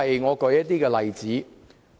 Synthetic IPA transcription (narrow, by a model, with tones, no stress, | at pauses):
ɐ˨jŋɔː˨˧kɵ˨˧jɐ˥t̪̚t̪iː˥kɛː˧lɐ˨jt͡siː˨˥